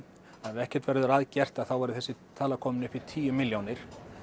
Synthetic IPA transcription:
aðɪɛhcɛɾ̥t̪vɛɾðʏɾaːðcɛr̥t̪aðθawvaːɾɪʏθɛsːɪt̪ʰaːlakʰɔːmʏnɪfɪɾ̥t̪ʰiːjʏmɪljownɪɾ̥

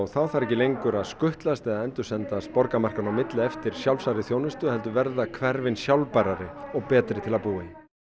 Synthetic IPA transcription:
ɔɣθawθaɾɛcɪlejŋkʏɾaðskʏht̪last̪ɛðaðɛnt̪ʏsɛnt̪ast̪̚pɔɾkamar̥kanawmɪt̪lɪɛft̪ɪɾ̥sjawlsaɾɪθjownʏst̪ʏhɛlt̪ʏvɛɾðakʰvɛɾvɪnsjawlpajɾaɾɪɔɣpɛːt̪ɾɪt̪ʰɪlaðpuːɪ

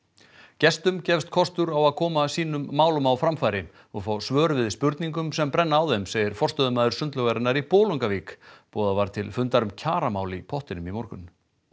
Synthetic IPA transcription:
cɛst̪ʏmcɛfst̪kʰɔst̪ʏɾawaðkʰɔːmasiːnʏmːaːwlʏmawfɾamfaːjɾɪ | ɔɣfaːwsvœːɾvɪðspʏɾt̪niŋkʏmsɛmpɾɛnːaːwðɛmseːjðɪɾ̥fɔr̥st̪œðʏmaːðʏɾ̥sʏnt̪lœɣaɾɪnːaɾipoːluŋkaviːkpɔːðavaɾ̥t̪ʰɪlfʏnt̪aɾʏmcʰaːɾamaːwlipʰɔht̪ɪnʏmimɔɾkʏn

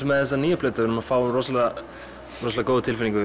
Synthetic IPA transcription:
mːɛðθɛs̬ːaniːjapʰlɛːt̪avɪɾnʏmafaːwʏmrɔsla | rɔs̬lakoːwðɪt̪ʰɪlfɪniŋkʏ

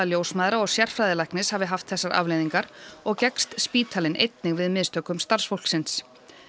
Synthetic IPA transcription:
aljoːwsmajðɾaɔɣsjɛr̥fɾajðɪlajhknɪshaːvɪɦaft̪θɛsːaɾʔa̰vlejðiŋkaɾɔɣcɛkst̪spiːt̪ʰaːlɪnʔḛjt̪nɪɣvɪðmɪðst̪œːkʏmst̪aɾr̥sfowl̥ksɪns

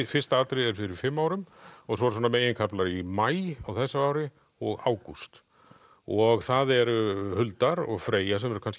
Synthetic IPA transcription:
fɪ̥st̪aat̪ɾɪɛɾ̥fɪɾɪɾ̥fɪmːaːwɾʏmɔɣsɔɾsɔːnameːjɪnkʰaplaɾimaːjawθɛsːaaːwɾɪ | ɔɣa̰ːwkust̪ | ɔɣθaðɛɾhʏlt̪aɾɔ̰ɣfɾeːjas̬ɛmɛɾʏkʰansc

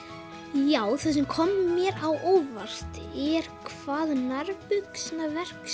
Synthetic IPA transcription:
jaːwθœs̬ɛmkʰɔmːmjɛɾawʔoːwvar̥t̪ɛɾ̥kʰvaːðnaɾpʏksnavɛr̥ks

